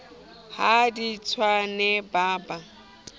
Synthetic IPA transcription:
hadit͡sʰwanɛbaːba

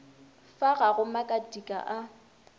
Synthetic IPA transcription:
faɣaɣʊmakʼadikʼa̰ʔa

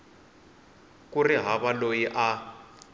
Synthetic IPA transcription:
kuriɦaβalojiʔa

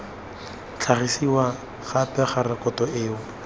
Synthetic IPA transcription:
t͡ɬʰaχisiwa | χapɛχarɪkɔtɔʔeːʊ

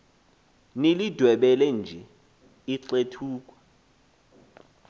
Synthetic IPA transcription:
nelid̥ʱwɛɓɛlɛnd͡ʒʱɛ | iǀetʰuːk̬ʼwɛ̥

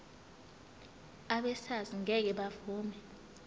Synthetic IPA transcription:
aɓɛsaziŋɛk̬ɛɓavuːmɛ

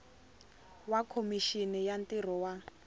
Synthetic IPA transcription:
wakʰomiʃinɛjantʼir̤ɔwa

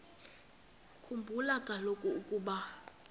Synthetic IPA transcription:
kʰumbʱulakʼalokʼuukʼuːɓa

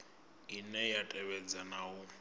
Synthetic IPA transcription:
inɛjatʼɛβɛd͡zanaʊ

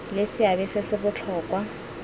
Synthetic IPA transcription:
lesɪabɪsɪsɪbʊt͡ɬʰɔːkʼwa

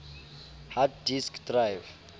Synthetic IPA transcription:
hatdiskʰdrajv

